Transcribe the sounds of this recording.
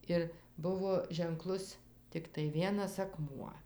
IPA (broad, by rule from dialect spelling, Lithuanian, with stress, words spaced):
ˈɪr ˈbʊʋoː ʒʲɛŋˈklˠʊs tʲɪkˈtɐɪ ˈʋʲiɛnɐs ɐˈkmuɔ